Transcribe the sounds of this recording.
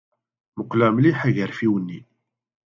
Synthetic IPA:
məqlæmliħæʝəɾfiwənːi

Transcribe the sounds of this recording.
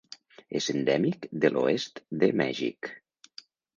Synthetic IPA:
ezend̪ɛmikd̪əlʔoest̪d̪əmɛ̰ʒḭk

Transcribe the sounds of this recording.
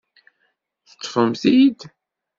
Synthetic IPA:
θə̥t̪ːfəmθid̪

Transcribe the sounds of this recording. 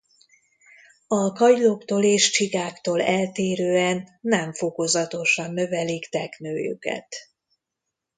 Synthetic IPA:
ɒkɒjlokt̪oːleːʃt͡ʃiɡaːkt̪oːlɛlt̪eːɾøːɛnːɛɱfo̞ko̞zɒt̪o̞ʃɒnːø̞vɛlikt̪ɛknø̰ːjy̰kɛ̰t̪

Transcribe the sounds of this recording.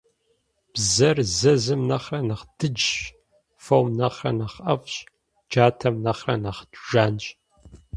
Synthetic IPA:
b̥zɐrzɐzɨmnɐχrɐnɐχd̥ɨd͡ʒ | fowmnɐχrɐnɐχɐfɕʼ | d͡ʒaːtʰɐmnɐχrɐ̰nɐχdʒaːnɕʼ

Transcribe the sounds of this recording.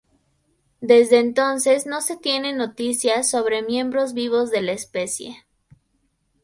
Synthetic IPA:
d̪e̞zðe̞ːnt̪o̞nse̞zno̞se̞t̪je̞ne̞no̞t̪isjaso̞β̞ɾe̞mjẽ̞mbɾo̞zβiβ̞o̞zðelaespe̞sjḛ

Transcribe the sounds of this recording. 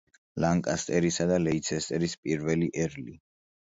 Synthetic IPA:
laŋkʼast̪ʼɛɾisad̪alɛit̪sʰɛst̪ʼɛɾispʼiɾvɛliʔɛɾli

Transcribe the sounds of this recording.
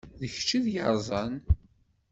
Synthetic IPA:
ðəçt͡ʃːiðjəɾˤzˤɑn

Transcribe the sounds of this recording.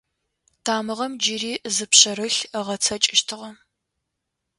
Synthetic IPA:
tʰaːmɨʁɐmd͡ʒɪɾiːʔzɨpɕɐɾɨɬəʁɐt͡sʰɐt͡ʃʼɪʃtʰɨʁɐ

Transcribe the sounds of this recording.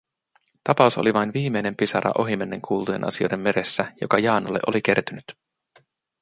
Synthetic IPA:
t̪ɑpɑusoliʋɑjnʋiːme̞jne̞mpisɑɾɑ̰ʔo̞ɦimenːeŋkʰuːlt̪ujenʔɑ̰sio̞̰jde̞mːe̞ɾe̞sːæjo̞̰kɑjɑːnɑlːe̞ʔo̞lik̟e̞rt̪ynyt̪

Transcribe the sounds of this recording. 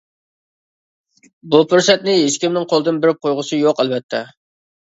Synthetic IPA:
bupʊɾsɛt̪nɪɦeʃkʲimnɪŋqʰolˠd̪ɨnbɪɾɪp̚qʰojʁʊsɨjoqælvɛt̪ʰːɛ

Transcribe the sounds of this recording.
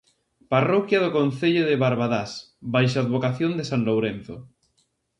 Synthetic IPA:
parɔkjað̞ʊkon̟θeʎʊðeβaɾβaðas | bajʃ̬aːðβokaθjond̪esanlowɾen̟θo

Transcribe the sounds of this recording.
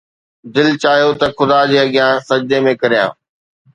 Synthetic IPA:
d̪ɪlt͡ɕaːɦijot̪ɐxʊd̪ad͡ʑeːɐɠɪjãːsɐd͡ʑd̪emẽkɐɾijã̰ː

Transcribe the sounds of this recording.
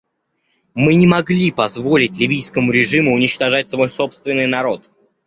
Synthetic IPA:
mɨnʲɪmɐɡlʲipɐzvo̞lʲɪt̚ʲlʲɪvʲijskəmʊɾʲɪʐɨmʊːnʲɪt͡ɕt̪ɐʐat̚ʲsɐvo̞jso̞pst̪vʲɪnːɨjnɐɾo̞t̪

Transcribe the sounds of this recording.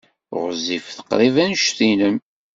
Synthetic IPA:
ʁəzifθə̥qːɾˤivænʃθinəm

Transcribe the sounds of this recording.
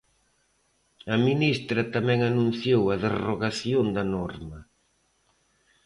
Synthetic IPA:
ɐminist̪ɾɐt̪amɛ̃ŋanũnθjowɐðeroɣaθjond̪ɐnɔɾmɐ

